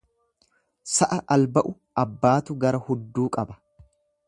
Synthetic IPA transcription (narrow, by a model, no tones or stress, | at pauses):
sɐʔɐʔɐlbɐʔʊ | ɐbːaːt̪ʊɡɐɾɐhʊd̪ːuːkʼɐbɐ̥